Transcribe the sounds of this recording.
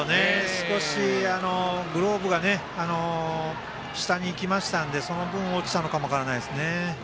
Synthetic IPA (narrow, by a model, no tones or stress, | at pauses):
one̞sɨ̥ko̞ɕiano̞ɡɯ̟ɾo̞ːbɯ̟ɡane̞ | ano̞ | ɕi̥t̪aɲ̟iːkʲimaɕi̥t̪and̪e̞so̞no̞bɯ̟̃ɰ̃oːt͡ɕi̥t̪ano̞kamo̞akaɾanaisɨne̞